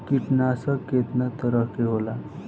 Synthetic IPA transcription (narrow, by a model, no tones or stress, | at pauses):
kiʈnasaket̪nət̪əɾəkeɦola